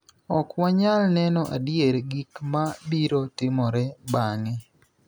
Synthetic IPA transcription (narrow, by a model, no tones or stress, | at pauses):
ɔkwaɲalnɛnɔʔa̰djeɾɡikmabiɾotɪmɔɾɛbaŋɛ